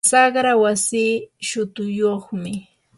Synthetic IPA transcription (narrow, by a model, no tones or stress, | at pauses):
sɑχɾawasiːʃʊt̪ʊjoχmɪ